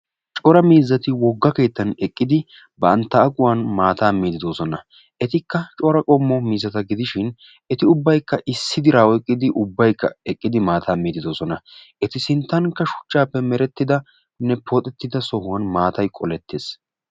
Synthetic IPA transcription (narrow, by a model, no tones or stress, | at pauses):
t͡ʃʼɔɾɐmiːzːɐt̪ɪwɔɡːɐke̞ːt̪ːɐnɛkʼːɪd̪ɪ | bɐɐnt̪ːɐːkʼʊwanmaːt̪aːmiːd̪ɪd̪o̞ːsɔnɐ | ʔɛt̪ɪkːɐt͡ʃʼɔɾɐkʼɔmːɔmiːzːɐt̪ɐɡɪd̪ɪʃɪn | ɛt̪ɪʊbːɐjkːɐʔɪsːɪd̪ɪɾaːwɔɛkʼːɪd̪ɪʔʊbːɐjkːɐ̰ɛkʼːɪd̪ɪmaːt̪ʰaːmiːd̪ɪd̪oːsɔnɐʔɛt̪ɪsɪnt̪ːɐnkːɐʃʊ̥t͡ʃːaːpːɛmɛɾɛt̪ːɪd̪ɐ | nɛpʰɔt̪ʼɛt̪ːɪd̪ɐsɔhʊwɐnmaːt̪ɐjkʼɔlɛt̪ːe̞ːs